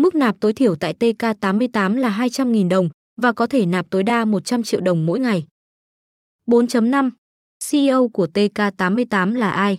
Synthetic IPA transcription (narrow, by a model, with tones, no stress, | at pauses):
mɨ˦˥k̚naː˨˩p̚t̪o˨˦jt̪ʰi˧˩əwt̪a̰ː˧˨jt̪e˧kaː˧t̪aː˨˦mːɨ˧əjt̪aː˨˦mlaː˨˩ɦaː˧jt͡ɕa˧mŋi˨˩nɗə˨˩wŋ͡m | vaː˨˩kɔ˨˦t̪ʰe˧˩naː˨˩p̚t̪o˨˦jɗaː˧mo˨˩t̚t͡ɕa˧mt͡ɕḭ˧˨əwɗə˨˩wŋ͡mmo̰˧˥jŋa˨˩j | ɓo˨˦nt͡ɕə˨˦mna˧m | si˧ʔʔə˧wku˧˩ət̪e˧kaː˧t̪aː˨˦mːɨ˧əjt̪aː˨˦mlaː˨˩ʔaː˧j